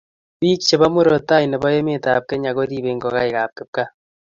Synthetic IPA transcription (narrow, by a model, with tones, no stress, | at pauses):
βiː˦kt͡ʃe˨βa˦mu˦ɾo˨ta˦i˨ne˨βo˦je˦me˦ta˨p̚ke˦ɲa˨ɣo˦ɾi˦βe˨ŋɡo˨ɣa˦i˨ɣa˨p̚ke˦p̚ka˦